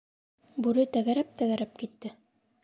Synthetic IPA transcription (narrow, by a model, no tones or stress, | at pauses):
bʉɾɘt̪æɣæɾæp̚t̪æɣæɾæp̚kit̪ːɘ